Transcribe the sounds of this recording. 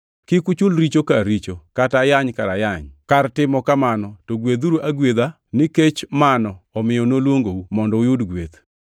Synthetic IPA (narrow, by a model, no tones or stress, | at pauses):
kɪkʊt͡ʃʊlɾit͡ʃokaɾit͡ʃokatajaɲkaɾajaɲkartɪmɔkamanɔtoɡwed̪uɾuʔaɡwed̪a | nɪket͡ʃmanɔɔmɪjɔnolwoŋɡoumɔndɔʊjʊdɡwet̪